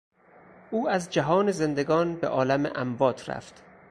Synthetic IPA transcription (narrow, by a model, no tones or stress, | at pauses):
ʔuːæzd͡ʒæɦɒːneze̞nd̪eɡɒːnbḛʔɒːlæmḛʔæmbɒːt̪ʰræ̰ft̪